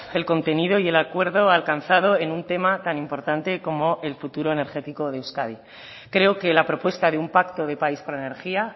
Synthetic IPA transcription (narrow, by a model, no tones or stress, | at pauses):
e̞lko̞nt̪e̞niðo̞ie̞lakwe̞ɾðo̞alkanθað̞o̞e̞nunt̪e̞mat̪animpo̞ɾt̪ant̪e̞ko̞mo̞ʔe̞lfut̪uɾo̞e̞ne̞ɾχe̞t̪iko̞ðewskaði | kɾe̞oke̞lapɾo̞pwe̞st̪aðeumpakt̪o̞ðe̞paispoɾlaene̞ɾxia